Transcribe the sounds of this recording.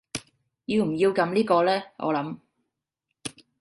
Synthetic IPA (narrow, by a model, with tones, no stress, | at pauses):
jiː˧wm̩˨˩jiː˧wkɐ˨˧˥mliː˥kɔː˧lɛː˥ʔɔ̰ː˨˧lɐ˨˧˥m